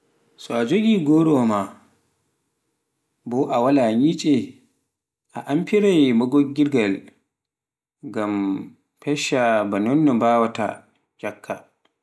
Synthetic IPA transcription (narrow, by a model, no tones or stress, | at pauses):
saːd͡ʒɔɡʲiːɡɔːɽɔma | bɔʔawalaɲiːt͡ʃʼɛ | ʔaʔampiɾajmɔɡɔɡʲɪɾɡal | ɡam | pɛʃabanɔnːɔbaːwata̰ | d͡ʒakʰːa